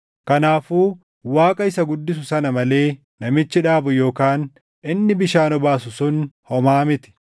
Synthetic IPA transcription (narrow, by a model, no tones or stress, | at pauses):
kɐnaːfuː | waːkʼɐɪsɐɡʊd̪ːɪs̬ʊsɐnɐmɐle̞ː | nɐmɪt͡ʃːɪᶑaːbʊjo̞ːkaːn | ʔɪnːɪbɪʃaːnɔbaːsʊsʊnhɔmaːmɪt̪ɪ̥